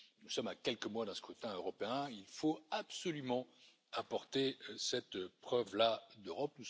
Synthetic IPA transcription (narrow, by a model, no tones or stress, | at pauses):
nusɔmakʲɛlkəmwad̪ɛ̃sə̥kʰut̪ɛ̃øʁɔpeɛ̃ilfoapsɔlymɑ̃ | apɔʁt̪esɛt̪pχœvlad̪øʁɔp̚nu